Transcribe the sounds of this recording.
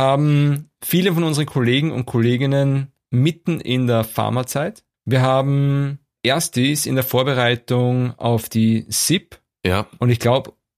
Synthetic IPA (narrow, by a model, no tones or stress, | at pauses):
haːbm̩fiːləfɔnʊnzəʁəkʰoleːɡŋ̩ʊ̰nt̚kʰoleːɡɪnən | mɪtn̩ɪ̰ndeːɐfa̰ɐmat͡saɪt | viːɐɦaːbm̩ | ʔeːɐstisɪ̰ndeːɐfoːɐbəʁaɪtʊŋa̰ʊfd̥iːsɪp | jaʔʊntɪçɡ̥laʊb